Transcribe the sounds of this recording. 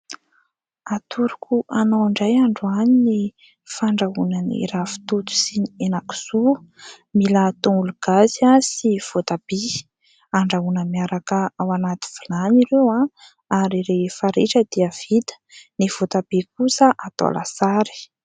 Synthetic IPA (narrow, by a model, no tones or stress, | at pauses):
at̪uɾukuʔanawaɳɖ͡ʐajaɳɖ͡ʐuanini | faɳɖ͡ʐaunənḭɾafi̥t̪ut̪u̥siɲienaku̥zu | milat̪õŋuluɡ̥aziasiv̥ot̪ab̥e | aɳɖ͡ʐaunəmiaɾakəawanat̪i̥v̥ilaniɾewã | aɾiɾefaɾeʈ͡ʂəd̪iav̥id̪ə̥niv̥ot̪ab̥ek̚usəʔat̪o̰la̰saɾi̥